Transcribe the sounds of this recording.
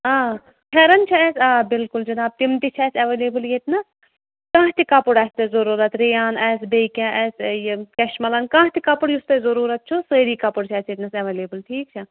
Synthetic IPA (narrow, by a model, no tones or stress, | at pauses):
aː | hʰɛɾɐnt͡ʃʰɐɛsʲaːbɪlkuld͡ʒɐnaːb̚t̪imt̪it͡ʃʰɛːsɐʋeːleːbɨljet̪ʲnɐ | kãːɦt̪ikɐpuɽɛst̪ezɐɾuːɾɐt̪ɾejaːnɛːs̬bejkɛ̃ʔɛsjkɛʃmɐlɐnkãːɦt̪ikɐpuɽjust̪ɐzɐɾuːɾɐt̪̚t͡ʃʰusəːɾiːkɐpuɽt͡ʃʰɛːsjet̪ʲnɐsɐʋeːleːbɨlʈʰiːk̚t͡ʃʰɐ